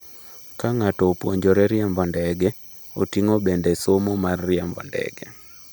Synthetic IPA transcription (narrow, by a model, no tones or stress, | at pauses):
kaŋatɔːpwoɲd͡ʒoɾɛɾɪɛmbɔndɛɡɛ | o̰tiŋobendɛsomɔmarːɪɛmbɔ̰ndɛ̰ɡɛ